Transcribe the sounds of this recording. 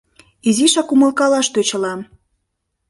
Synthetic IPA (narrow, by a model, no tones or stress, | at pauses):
iziʃɑkumə̆lˠkɑlɑʃt̪øt͡ɕə̆lɑm